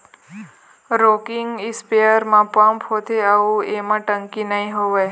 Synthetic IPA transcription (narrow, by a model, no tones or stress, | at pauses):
ɾokɪŋɡispejəɾmãpə̃mphot̪ʰeaʋũemãʈə̃ŋkinəɦĩɦoʋe